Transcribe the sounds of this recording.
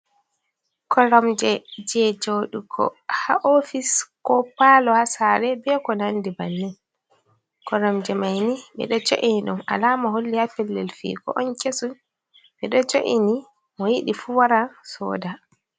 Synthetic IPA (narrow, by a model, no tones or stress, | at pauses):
kʰɔɾamd͡ʒɛd͡ʒɛd͡ʒoɗukʰɔ̰haʔofiskɔpalɔhasaɾɛbɛkɔnandibanːɛn | kɔɾɔmd͡ʒɛmajniɓɛ̰ɗɔd͡ʒoʔiniɗuma̰laːmaɦolːihafɛlːɛ̰lfḭːkɔ̰ʔɔnkesun | ɓɛɗɔt͡ʃoʔini | mɔjiɗifuwaɾasɔ̰ːda